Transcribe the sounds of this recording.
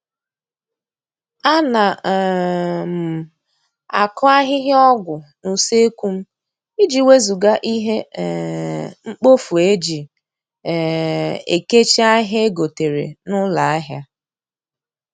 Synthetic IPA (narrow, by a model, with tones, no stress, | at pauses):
a˦na˨ | m̩˨ | a̰˨kɔ˦a˦ɦɪ˦ɦɪ˦ɔ˦ɡʷʊ˨nu˨se˦kʷu˦m̩˦ | i˦d͡ʒi˨we˦zu˨ɡa˦ʔi˦ɦe˦˨ | ŋ͡m̩˦k͡po˦fu˨e˦d͡ʒi˨ | ḛ˨ke˦t͡ʃi˦a˦ɦe˦e˦ɡo˨te˨ɾḛ˨nʊ˦la˨a˦ɦja˦